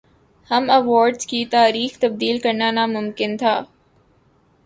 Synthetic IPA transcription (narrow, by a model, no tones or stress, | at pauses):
hɐmɐʋɔːɾɖzkiːt̪aːɾiːxt̪ɐb̚d̪iːlkɐɾnaːnãːmʊmkɪnt̪ʰaː